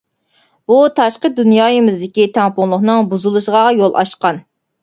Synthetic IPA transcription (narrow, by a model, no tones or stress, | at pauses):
b̥ut̪ʰɑʃqəd̪unjɑːjɨmɪzd̪ɪkʲit̪ʰɛŋpʊŋlˠʊχnɨŋbuzulˠuʃəʁɑjolˠʔɑ̰ʃqɑn